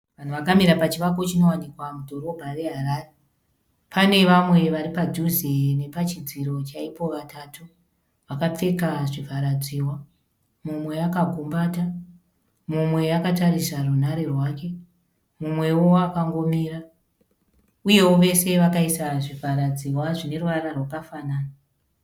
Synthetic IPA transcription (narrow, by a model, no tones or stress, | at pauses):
ʋan̤uʋakamiɾapat͡ʃiʋako̞t͡ʃino̞wanikwamudʱo̞ɾo̞bʱaʋe̞ɦaɾaːre | pʰane̞ʋamwe̞ʋaɾipad͡ʒuzene̞pat͡ʃid͡ziɾo̞t͡ʃaipo̞ʋatʰatu | ʋakap͡fe̞kaʐivʱaɾad͡ziːwa | mumwe̞akaɡʱumbaːta | mumwe̞akataɾisarunaɾe̞rwake̞ | mumwe̞wo̞akaŋɡo̞miːɾa | uje̞wo̞ʋe̞se̞ʋakaisaʐivʱaɾad͡ziwaʐine̞ruʋaɾarwakafanaːna